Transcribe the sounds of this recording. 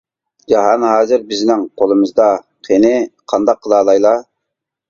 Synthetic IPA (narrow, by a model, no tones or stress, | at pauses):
d͡ʒɑɦɑnɦɑːzɨɾbɪznɪŋqʰolˠɨmɨzd̪ɑ | qʰenɪqʰɑnd̪ɑqʰːəlˠɑːlˠɑjlˠɑ